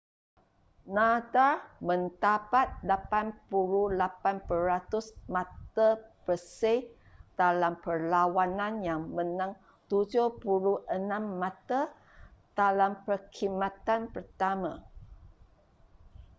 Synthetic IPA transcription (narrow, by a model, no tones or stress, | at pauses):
nadamə̃nt̪apat̪̚lapanpuɾulapanpəɾat̪usmãt̪abəse | d̥alampərlawanãnjaŋmənãŋ | t̪ud͡ʒʊpuluʔənãmːãt̪a | d̥alampərkʰimãt̪anpərt̪amã